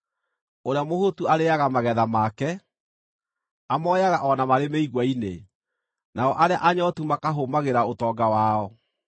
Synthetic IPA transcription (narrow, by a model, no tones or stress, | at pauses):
oɾeamohotuaɾeaɣamaɣɛðamaːkɛ | amɔːjaɣaʔɔnamaɾemeiɣwaine | naɔʔaɾeaʔaɲɔtumakaɦomaɣeɾaotɔɡawaɔ